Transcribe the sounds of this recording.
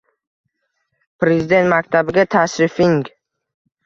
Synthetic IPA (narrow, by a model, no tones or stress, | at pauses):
pʰɾe̞zɪd̪ent̪mak̚ʲt̪ʰabɪɡʲat̪ʰasɾɪfɪŋɡ